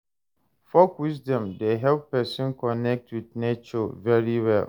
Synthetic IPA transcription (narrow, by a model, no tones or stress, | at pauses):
fɔkwisdɔ̃mdeɦɛlppɛsɔ̃nkɔnɛk̚twidnet͡ʃɔvɛɹiwɛl